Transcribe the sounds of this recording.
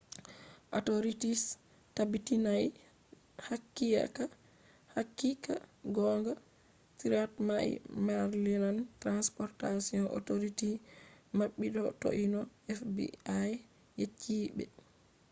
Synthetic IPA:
ʔɔtoɾitis | tabitinaj | hakːija̰ka | hakːikaɡɔŋɡa | tiɾatmaʔḭmaɾlinantɾanspɔɾtasiɔnʔɔ̰toɾitimaɓːidɔto̰ʔinɔɛfbḭaj | jet͡ʃʰːibɛ̰

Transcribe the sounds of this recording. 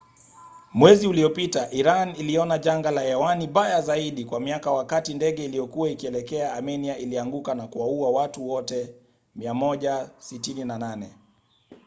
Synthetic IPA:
mwɛziuliɔpitaʔiɾaniliɔnaʄaŋɡalaɛwaniɓajazaiɗikwamiakawakatindɛɠɛilijɔkuwaikiɛlɛkɛaːmɛniaʔiliaŋɡukanakuwauawatuwɔtɛ | miamɔʄasitininananɛ

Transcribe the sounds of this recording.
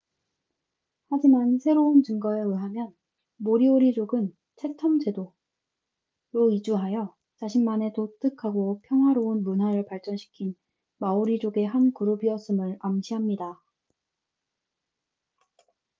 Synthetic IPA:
had͡ʑimansʰe̞ɾount͡ɕɯŋɡʌeɯɦamjʌn | moɾioɾid͡ʑoɡɯn | t͡ɕʰe̞tʰʌmd͡ʑe̞do | ɾoid͡ʑuɦajʌ | t͡ɕaɕʰinmane̞dot͈ɯkʰaɡopʰjʌŋɦwaɾounmunɦwaɾɯɭpaɭt͡ɕ͈ʌnɕʰi̥kʰin | maoɾid͡ʑoɡe̞ɦankuɾubiʌs͈ɯmɯɾamɕʰiɦamɲida

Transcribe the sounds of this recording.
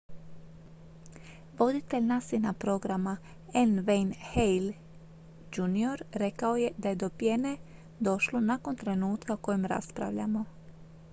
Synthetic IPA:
ʋo̞d̪it̪e̞ʎnasinapɾo̞ɡɾama | enʋejnhejl | d͡ʒunio̞ɾɾe̞kao̞je̞d̪aje̞d̪o̞pjene | d̪o̞ʃlonako̞nt̪ɾe̞nuːt̪kaoko̞jimɾa̰spɾa̰ʋʎa̰mo̞

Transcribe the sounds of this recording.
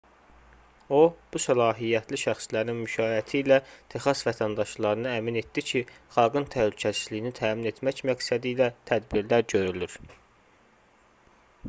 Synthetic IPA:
o̞b̥usælɑːɦijːæt̪ʰliʃæxslæɾninmyʃɑːjæt̪ʰiːlæt̪ʰexɑsvæt̪ʰænd̪ɑʃlˠɑɾɯnɯæmine̞t̪d̪icʰi | χɑlˠɡɯnt̪ʰæhlycʰæsi̥zlijinit̪ʰæːmine̞t̪ʰmæcmæɡsæd̪iːlæt̪ʰæd̪biɾlæɾɟø̞ɾylyɾ̥

